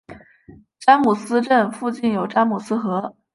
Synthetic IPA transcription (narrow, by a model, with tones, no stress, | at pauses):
ʈ͡ʂa˥nmu˨˩sɹ̩˥ʈ͡ʂə˥˧nfu˥˧t͡ɕi˥˩njo˨˩ʊʈ͡ʂa˥nmu˨˩sɹ̩˥xɤ˧˥